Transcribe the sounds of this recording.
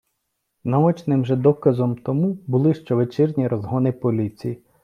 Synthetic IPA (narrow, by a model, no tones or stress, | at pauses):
nɐɔt͡ʃnɪmʒɛd̪ɔkɐzɔmt̪ɔmubʊlˠɪʃt͡ʃɔʋet͡ʃɪrnʲiɾɔzɦɔnɪpɔlʲit͡sʲiji